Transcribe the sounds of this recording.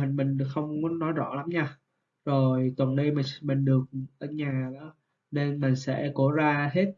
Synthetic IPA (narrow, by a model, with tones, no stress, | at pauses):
ï˨˩ŋ̟mï˨˩ŋ̟˨˩xə˧wŋ͡mkɔ˨˦nɔ˨˦jzɔ̰˧˥la˨˦mɲaː˧ | zo˨˩jt̪wə˨˩nɗə˧jmi˨˩mï˨˩ŋ̟ɗɨ˨˩ək̚ʔəː˧˩ɲaː˨˩ɗɔ˨˦ | ne˧nmä˨˩ŋsɛ̰˧˥ko˧˩zaː˧ɦe˦˥t̚